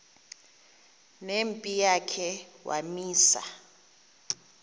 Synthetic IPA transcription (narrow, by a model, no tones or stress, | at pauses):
nempʼijakʰɛwa̰miːsa̰